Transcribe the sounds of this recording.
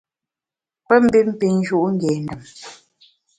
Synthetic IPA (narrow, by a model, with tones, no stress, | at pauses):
pə˦m̩˦bi˦m̩˦pi˨ŋ˦d͡ʒu˦ʔŋ̩˦ɡɛ˨n˨də˨m